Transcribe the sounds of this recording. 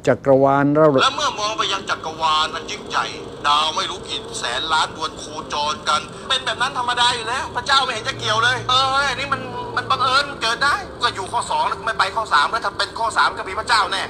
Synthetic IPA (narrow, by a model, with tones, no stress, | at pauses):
t͡ɕa˨˩kːɾa˧waː˧nɾaː˥˩lɛː˦˥wmɯ˥˩ɐmɔː˧ŋpa˧jːa˧ŋt͡ɕa˨˩kɾa˧waː˧nʔa˧nt͡ɕi˧˥˩ŋt͡ɕa̰˨˩j | daː˧wma˥˩jɾuː˦˥ki˨˩t̪̚sɛː˩˦nlaː˦˥ndu˧ənkʰuː˧t͡ɕɔː˧nka˧n | pe˧nbɛː˨˩p̚na˦˥nt̪ʰa˧mːa˧daː˧˩juː˨lɛː˦˥wpʰɾa˥˩t͡ɕaː˥˩wma˥˩jhe˨˦t͡ɕa˧˩ki˨˩əwlɤː˧jʔɤː˧˨˩nːiː˦˥ma˧nma˧nba˧ŋʔɤː˧n˧kɤː˨˩t̪̚daː˥˩jkɔː˧˩juː˨˩kʰɔː˥˩sɔː˩˦ŋlːkʰma˥˩pa˧jkʰɔː˥˩saː˩˦mɾɛː˦˥˩t̪ʰa˧˩pe˧nkʰɔː˥˩saː˨˩˦mkɔː˥˩pʰiː˧pʰa˧˥˩t͡ɕaː˥˩wnɛː˧˩